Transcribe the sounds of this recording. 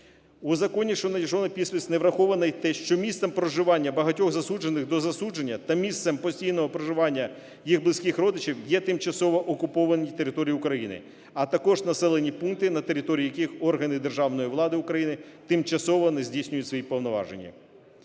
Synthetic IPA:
uzɐkɔnʲiʃɔnɐjiʒɔnɐpʲisʲpʲɪsʲtʲneʋɾɐxɔʋɐnɐjt̪ɛʃt͡ʃɔmʲissɛmpɾɔʒɪʋɑnʲːɐbɐɦɐtʲɔɣzɐsud͡ʒenːɪxd̪ɔzɐsud͡ʒenʲːɐt̪ɐmʲist̪sɛmpɔsʲtʲijnɔɦɔpɾɔʒɪʋɑnʲːɐ | jiɣblˠɪsʲkʲɪxɾɔd̪ɪt͡ʃiwjɛt̪ɪmt͡ʃɐsɔʋɔʔɔkʊpɔʋɐnʲit̪eɾɪt̪ɔɾʲijʊkɾɐjinɪ̰ | ɐt̪ɐkɔʒnɐsɛlˠenʲipunk̚t̪ɪnɐt̪eɾɪt̪ɔɾʲiiːjɐkixɔrɦɐnɪd̪erʒɑwnɔjiʋlˠɑd̪ɪʊkɾɐjinɪ | t̪ɪmt͡ʃɐsɔʋɔnɛzʲdʲisʲnʲʊjʊtʲsʲʋɔjipɔwnɔʋɑ̰ʒenʲːɐ̰

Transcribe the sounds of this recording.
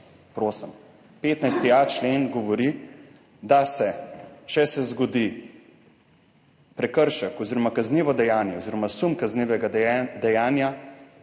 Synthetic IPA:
pɾoːsəm | peːt̪najst̪iat͡ʃleːnɡɔʋɔɾi | d̪asɛt͡ʃɛsɛzɡɔd̪i | pɾɛkəɾʃəkɔziːɾɔmakazniːʋɔd̪ɛjaːnjɛoziːɾɔmasumkazniːʋɛɡad̪ɛjaːnja

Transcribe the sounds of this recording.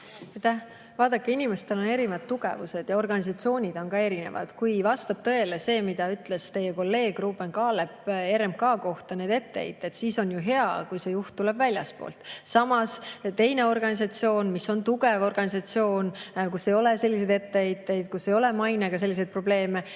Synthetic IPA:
et̪ːæh | vɑːd̪̥ɑkːeinime̞st̪e̞lo̞ne̞ɾivɑd̪t̪uɡ̥ḛvuse̞d̪̥jɑo̞rɡ̥ɑnʲis̬ɑt̪sio̞ːnʲid̪̥o̞nkɑe̞ɾine̞̰vɑ̰d̪̥kujvɑst̪ɑb̥t̪ɤ̞elese̞ːmid̪̥ɑyt̪ˑle̞st̪e̞jeko̞lːe̞ːɡ̥ruːbenkɑːle̞pe̞ɾemkɑːko̞ht̪ɑne̞ːd̪e̞t̪ːḛjt̪ːˑe̞t̪siːso̞njuɦe̞ɑ̰kujse̞juht̪tːulebvælʲjɑ̰spo̰ːlt̪ˑsɑmɑst̪e̞jne̞o̞rɡ̥ɑnʲis̬ɑt̪sio̞ːnmisːo̞nt̪uɡe̞vo̞rɡ̥ɑnʲisɑt̪sio̞ːnkusːejo̞lese̞lʲːis̬ed̪e̞t̪ːeejt̪ːe̞jd̪̥kusːe̞jo̞le̞mɑjneɡ̥ɑs̬e̞lːis̬ed̪̚pro̞ble̞ːme̞

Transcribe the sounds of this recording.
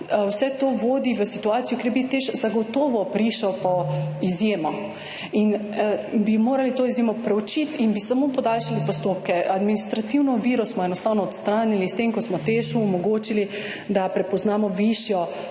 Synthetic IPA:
wsɛt̪oːʋoːd̪iʋəsit̪uaːt̪sijɔkeɾjbit̪eʃzaɡɔt̪oːʋɔpɾiːʃɔwpɔizjeːmɔ | inəbimoːɾalit̪oːizjemɔpɾɛut͡ʃit̪inbisamoːpɔd̪alʃalipɔst̪oːpkɛad̪minist̪ɾat̪iwnɔʋiːɾɔsmɔɛnɔst̪aːwnɔːt̪st̪ɾaːnilist̪emkɔsmɔt̪eːʃuːmɔɡoːt͡ʃili | d̪apɾɛpɔznaːmɔʋiʃjɔ

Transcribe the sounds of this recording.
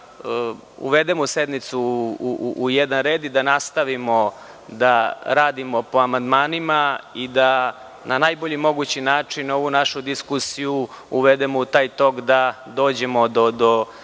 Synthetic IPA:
ə | ṵʋed̪emosed̪mit̪suː | jɛd̪anɾe̞ːd̪id̪anast̪aʋimo̞ | d̪aɾaːd̪imo̞po̞amand̪maːnimaid̪a | nʔanaːjboʎimo̞ɡut͡ɕinaːt͡ʂino̞ʋunaʃud̪iskusiju | uʋed̪emout̪aːjt̪o̞kd̪a | d̪o̞ːd͡ʑe̞mo̞d̪od̪o

